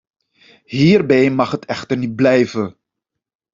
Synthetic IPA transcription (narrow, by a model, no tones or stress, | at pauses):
ɦiːɹbɛjmɑχɦətʰɛχtəɹnit̚blɛjvə